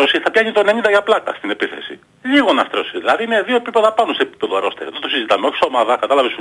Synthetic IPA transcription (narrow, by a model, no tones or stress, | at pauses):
osiθɐpʝɐɲit̪oene̞ɲind̪ɐʝɐplɐkɐ̰st̪inepiθe̞̰sḭ | ʎiɣo̞nɐst̪ɾosiðilɐðimeðioepipe̞ðɐpɐnose̞ːpi̥pe̞ðoɾo̞st̪eɾḭðot̪o̞sizit̪ɐmeo̞çisomɐðɐkɐt̪ɐlɐves